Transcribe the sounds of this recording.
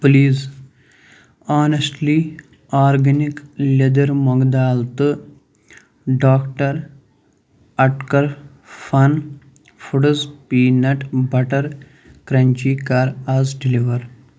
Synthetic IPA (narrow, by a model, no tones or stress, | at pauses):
pliːz | aːnesʈli | aːɾɡɐniklʲed̪ɐɾmɔɡd̪aːlt̪ɨ | ɖaːkʈɐɾ | ɐʈkɐɾ | fʰɐn | fuɽɐzpiːnɐʈbɐʈɐɾ | kɾɐnt͡ʃiːkaːɾazɖiliʋɐɾ